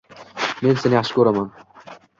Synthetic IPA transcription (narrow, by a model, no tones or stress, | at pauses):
me̞nsenɪjaχʃɪ̥kʰɵɾaman